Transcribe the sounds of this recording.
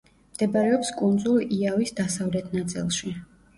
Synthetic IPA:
md̪̥ɛbaɾɛɔpskʼund̪zuliavisd̪asavlɛt̪ʰnat̪sʼḭlˠʃi

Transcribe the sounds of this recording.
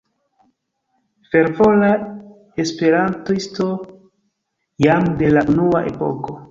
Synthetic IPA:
fe̞ɾvo̞la | espe̞ɾantoisto | jamde̞laʔunuwaʔe̞̰po̞̰ko̞

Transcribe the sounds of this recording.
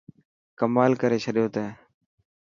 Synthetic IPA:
kəmaːlkəɾeːt͡ʃʰəɗɪjoːt̪ɛː

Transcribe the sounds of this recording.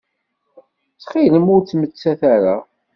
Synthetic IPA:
t͡sχiləmʊɾt͡sːmət͡sːæθæɾa

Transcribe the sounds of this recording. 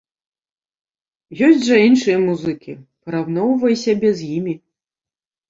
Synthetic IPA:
jɔsʲt͡sʲʐɐinʂɨjɐmuzɨkʲipɐɾawnɔwvɐjsʲabʲɛzʲjimʲi

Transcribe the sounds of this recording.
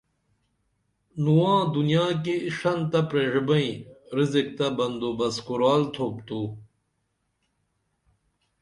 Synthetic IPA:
nuwãːd̪unijaːk̬iʂɐnt̪ɐpɾeʐbɐĩɾizik̚t̪ɐbɐnd̪obɐskuɾaːlt̪ʰoːp̚t̪uː

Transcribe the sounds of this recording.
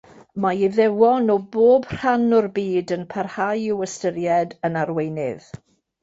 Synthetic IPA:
maɪðɛwɔnɔboːbr̥anʊrbiːdənpʰarhajɪwəstəɾjɛdənarwejnɪ̰ð

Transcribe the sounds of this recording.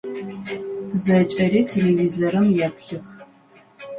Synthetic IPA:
zɐt͡ʃʼɐɾiːtʰelevizɐɾɐmjɛpɬɨx

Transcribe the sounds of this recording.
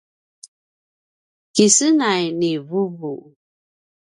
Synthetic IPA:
kisənajnivubu

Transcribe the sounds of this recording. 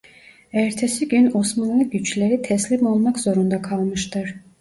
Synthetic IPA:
æɾt̪ʰesiɟyno̞smanlˠɯɟyt͡ʃlʲeɾit̪ʰɛslʲimo̞lˠmakz̥o̞ɾund̪akʰalˠmɯʃt̪ʰɯɾ̥

